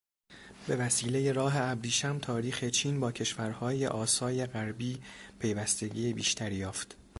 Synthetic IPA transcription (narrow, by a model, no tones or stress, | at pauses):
be̞væsiːle̞je̞ɾɒːɦe̞æbɾiːʃæmt̪ʰɒːɾiːxe̞t͡ʃʰiːnbɒːcʰe̞ʃvæɾhɒːje̞̰ʔɒːsɒːje̞ɣæɾbiːpʰe̞jvæst̪e̞ɟiːebiːʃt̪ʰæɾijɒːft̪